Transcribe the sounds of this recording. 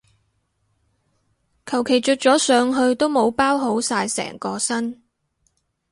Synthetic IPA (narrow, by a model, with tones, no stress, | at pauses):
kʰɐ˨˩wkʰe˨˩jt͡ʃɵ˨˧t̚t͡sɔː˨˥sœː˨˧ŋɦɵ˧ɥt̪o˥wmo˨˧wpaː˥wɦo˨˥wsaː˧jsɛ̰ː˨˩ŋkɔː˧sɐ˥n